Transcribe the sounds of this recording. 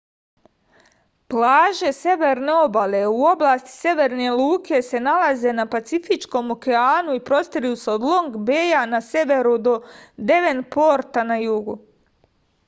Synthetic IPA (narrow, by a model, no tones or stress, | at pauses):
plˠaːʒe̞sje̞ʋeɾne̞o̞bale̞uo̞blˠaːst̪i̥sje̞ʋe̞ɾne̞luːkʰe̞se̞nalˠaze̞napat̪sifit͡ʃko̞mokeaːnuipɾo̞st̪iɾijuseod̪lˠo̞ŋɡbeːjanase̞ʋe̞ɾud̪o̞d̪e̞ʋe̞npo̞ɾt̪anajuːɡṵ